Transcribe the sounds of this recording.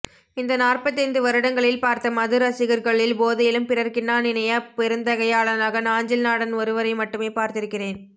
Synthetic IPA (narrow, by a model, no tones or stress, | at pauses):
ɪnd̪ɐnaːrpɐt̪ːɐnd̪ɯʋɐɾɯɽɐŋɡɐɭɪlpaːɾt̪ɐmɐðɯɾɐsɪɣɐɾɣɐɭɪlboːðɐjɪlɯmpɪrɐɾkɪnːaːnɪnɐjɐpɛɾɯnd̪ɐɣɐjaːɭɐnaːɣɐnaːɲd͡ʒɪlnaːɽɐnɔɾɯʋɐɾɐɪmɐʈːɯmeːpaːɾt̪ɪɾɯkːɪreːn